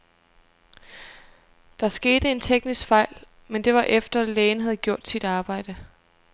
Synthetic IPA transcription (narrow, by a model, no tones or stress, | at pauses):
d̥ɑ̈sɡ̥e̝ːd̥əe̝nt͡sʰeɡ̥nisɡ̥fɑ̈ɪ̰l | mend̥e̝ʋɑ̈ʔefd̥ɐleːn̩ɦæð̞̩ˠɡ̥jo̝ɐ̰d̥sid̥ɑ̈ːb̥ɑ̈ɪ̰d̥ə